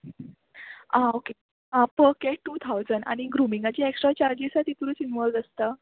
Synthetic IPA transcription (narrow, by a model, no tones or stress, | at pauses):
ãoke | ɦãfəkɛʈuːt̪ʰawd͡zəɳɖa̰ɽ̃iɡɾumiŋɡat͡ɕiːeksʈɾat͡ɕaɾd͡ʑisat̪it̪uɾuːt͡sinʋɔldəst̪ə